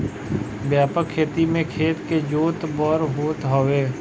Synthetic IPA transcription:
bjaːpəkʰːeːt̪imẽkʰeːt̪ked͡ʒoːt̪bɔːɾɦoːt̪ɦoːʋeː

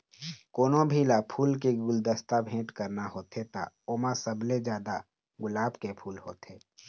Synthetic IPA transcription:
koːnõbʱiːlapʰuːlkeɡʊld̪əst̪abʱẽːʈkəɾnaɦoːt̪ʰet̪a̰ | oːmãsəbled͡ʒjaːd̪a | ɡʊlaːbkepʰuːlho̰ːt̪eː

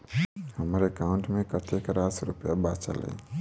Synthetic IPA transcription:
həmaɾekaʊ̃ɳʈmẽkət̪ʰekɾasɾupjabat͡ʃa̰lḛ

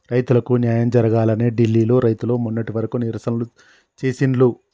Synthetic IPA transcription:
ɾɐjt̪ulɐkunjaːjɐmd͡ʒɐɾɐɡaːlɐneːɖilːiːlo̞ːɾɐjt̪uloːmunːɐʈiʋɐɾɐkuniɾɐsɐnɐlu | t͡ʃe̞ːsiɳlu

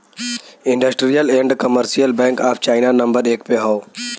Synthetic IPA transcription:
ɪ̃ɳɖəsʈɾijəlẽːɳɖkəməɾsijəlbɛ̃ːŋkaːp̚t͡ʃaːɪnanɐ̃mbəɾeːk̚peɦoː

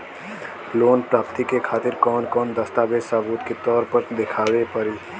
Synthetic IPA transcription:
loːnpɾaːpt̪ikekʰaːt̪ɪɾkɔːnkɔːnd̪əst̪aːbed͡ʒsaːbuːt̪ket̪ɔːɾpəɾd̪ɪkʰaːwepəɾi

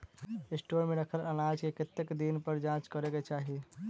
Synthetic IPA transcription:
esʈoɾmeɾəkʰələnad͡ʒkekit̪ːekd̪inpəɾd͡ʒãt͡ʃkəɾeket͡ʃaɦi

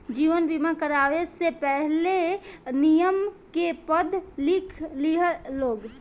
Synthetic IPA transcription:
d͡ʒiːʋənbimakəɾaʋesepɛɦlenijəmkepəd̪ʱlikʰliɦloːɡ

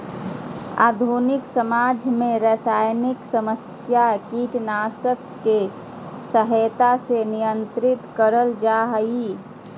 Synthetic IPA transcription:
a̰ːd̪ʱunɪksəmaːd͡ʒmẽɾaːsaːjnɪksəməs | jakiːʈnaːsəkːe | səɦət̪asenijə̃nt̪ɾɪt̪kəɾəld͡ʒaɦəi

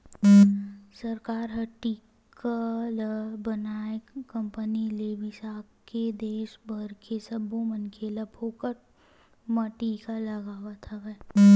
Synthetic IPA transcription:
sɐɾkaːɾɦɐʈi | kkalbənaːekɐ̃mpənileːbɪsaː | ked̪eːʃbʱəɾkesɐbomənkʰeːlapʰoːkə | mɐʈiːkalɐɡaːwat̪ʰaʋɛ

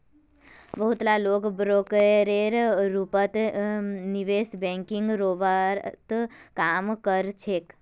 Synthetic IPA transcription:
bəɦut̪laloːɡbɾoːkeɾeɾɾupət̪ | niʋeːsbɛ̃ŋkɪ̃ŋɡɾoːʋaɾt̪kaːmkəɾt͡ʃʰeːk

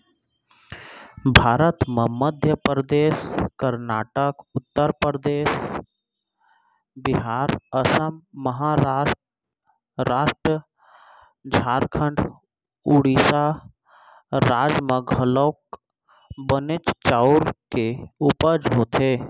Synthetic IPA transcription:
bʱaːɾət̪məməd̪ʱjəpɾəd̪eːskəɾnaːʈəkʊt̪ːəɾpɾd̪eːs | bɪɦaːɾəsəmːəɦaɾa | ɾaːʃʈɾə | d͡ʒʱaːɾkʰəɳɖ | uɽisa | ɾaːd͡ʒmeɡʱəloːk̚ | bənet͡ʃt͡ʃaʊɾkeupəd͡ʒɦoːt̪ʰe

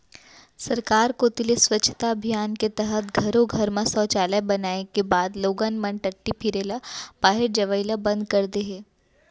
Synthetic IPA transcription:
sɐɾkaːɾkot̪ɪleswɐtːʃʰt̪aɐbʱijaːnket̪ɛɦət̪ɡʱɐɾoɡʱɐɾmãsɔːt͡ʃaːləbɐnaːekebaːd̪loːɡənmɐ̃nʈɐʈːipʰiɾeːlab̥aːɦɪɾd͡ʒɐʋəɪlabɐ̃nd̪kɐɾd̪eɦɛː

